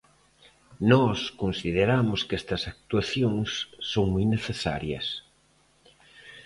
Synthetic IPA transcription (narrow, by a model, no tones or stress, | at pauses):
nɔskonsiðeɾamʊskɛst̪ɐsak̚t̪waθjoŋsːoŋmujneθesa̰ɾjɐ̰s